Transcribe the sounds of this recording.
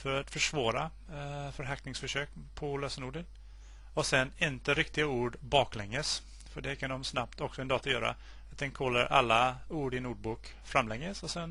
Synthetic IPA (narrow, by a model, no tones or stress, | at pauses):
fœɾat̪fœʂvɑːɾa | fœɾɦaknɪŋsfœʂøːkpʰɔløːsənuːɖən | ɔsɛnːɪnt̪əɾɪkt̪ɪɡauːɖbɑːklɛŋːəs | fœɖɛkʰand̪ɔmsnap̚t̪ɔksɔɛnd̪ɑːt̪ajœːɾa̰ | at̪̚d̪ɛnkʰɔlːaɾʔa̰lːauːɖɪnuːɖ̚buːk | fɾamːlɛŋːəsɔsɛn